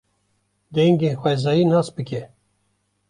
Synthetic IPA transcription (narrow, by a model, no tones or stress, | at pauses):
d̪ɛŋɡeːnxwɛzɑːjiːnɑːsbɨkʲɛ